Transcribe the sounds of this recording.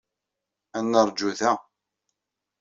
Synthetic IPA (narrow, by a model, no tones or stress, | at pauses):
ænːəɾˤd͡ʒːuθæ